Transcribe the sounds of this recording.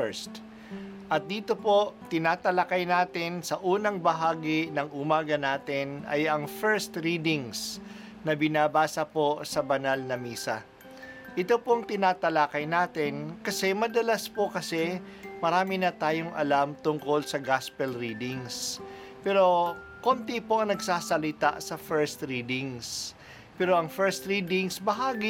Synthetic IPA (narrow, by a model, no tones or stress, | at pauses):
ɛst̪ | ʔɐt̪̚d̪iːt̪o̞po̞t̪ɪnaːt̪ɐlakɐjnaːt̪ɪnsɐʔuːnɐŋbɐɦaːɡɪnɐŋʊmaːɡɐnaːt̪ɪnɐ̰jɐŋfɛɹst̪ɾiːd̪ɪŋs | nɐbɪnaːbaːsɐpo̞sɐbɐnalnɐmiːsɐ̰ | ʔɪt̪o̞poŋt̪ɪnaːt̪ɐlakɐjnaːt̪ɪnkɐsɛmɐd̪ɐlaspokɐsɛ | mɐɾaːmɪnɐt̪aːjoŋʔɐ̰lamt̪ʊŋko̞lsɐɡaspɛlɾiːd̪ɪŋs | pɛːɾo̞ | kont̪ɪpo̞ɐŋnɐɡsaːsɐlɪt̪a̰ʔsɐfɛɹst̪ɾiːd̪ɪŋs | pɛːɾo̞ʔɐŋfɛɹst̪ɾiːd̪ɪŋsbɐɦaːɡi